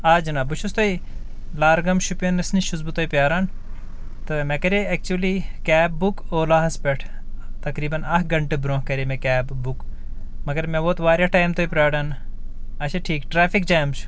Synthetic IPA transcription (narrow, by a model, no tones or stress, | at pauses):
aːd͡ʒɐnaːbut͡ʃʰust̪oi | laːɾɡɐmʃupɐnɐsniʃuzbut̪oipʲjaːɾaːn | t̪ɨmẽːkɐɾeɛk̚t͡ʃulikɛːbːukoːlaːɦɐspeʈʰ | t̪ɐkɾiːbɐnɐɦɡɐɳʈebɾõːɦkɐɾemẽːkɛːbːuk | mɐɡɐɾmẽʋoːt̪ʋaːɾʲjaːʈaːjmt̪oːipɾaːɽaːn | ɐʃʰeʈʰiːkʈɾeːfʰikd͡ʒaːmʃu̥